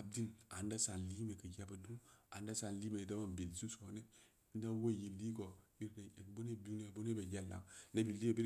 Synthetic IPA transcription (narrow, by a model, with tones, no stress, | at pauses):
a˦b̚di˦na˨nda˦sa˨n˨li˦me˨kə˨ja˦ba˨du˦a˨nda˦sa˨nli˦me˨i˨da˦ma˦˨m˨bi˨lsu˦so˨˦ne˦ | n˦da˦wo˦˨ji˨lːi˦ko˨i˦ɾna˨e˨kbo˦ne˦bu˦ne˦˨bo˦ne˦be˨ja˦˨lːa̰˨n˦a˦bi˨li˦e˨bi˦ɾ